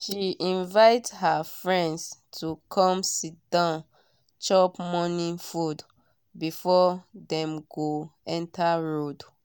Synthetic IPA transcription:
ʃiĩnvaɪthafɹɛ̃ndstʰukʰɔ̃msit̚d̥ãʊ̃n | t͡ʃɔpmɔnĩnfud | bifɔdɛ̃mɡoɛ̃ntʰaɹod

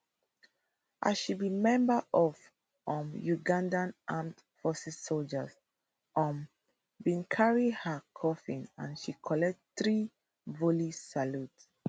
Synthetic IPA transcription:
ʔa̰zʃibimɛ̃mbəʔɔv | ɔ̃mjuɡãndãnʔãmt | fɔsɛssold͡ʒəs | ʔɔ̃m | bĩnkʰaɹihəkʰɔfĩnã̰nʃikʰɔlɛk̚tθɹi | vulisaluts

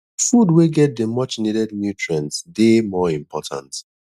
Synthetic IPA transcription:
fudweɡɛt̚dəmʌt͡ʃnidɛdnjutʰɹɛ̃ntsdemɔĩmpʰɔtʰã̰nt

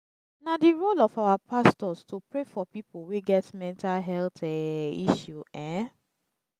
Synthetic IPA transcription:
nadiɹolɔfawapʰastɔstopɹefɔpipoweɡɛtmɛ̃ntalɦɛltɛiʃjuɛ̃

